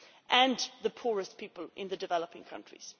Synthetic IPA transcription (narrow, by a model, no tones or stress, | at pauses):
ʔə̃nðəpʰɔːɹəspʰiˑpəlʔɪ̰̃nðədɪvɛləpɪ̃ŋkʰʌ̰̃nt͡ʃɹ̥ḭz̥